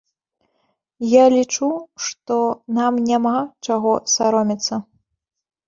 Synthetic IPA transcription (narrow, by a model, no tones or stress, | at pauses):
jalʲit͡ʂuʂt̪ɔnamnʲamat͡ʂaɣɔsaɾɔmʲit̪sːɐ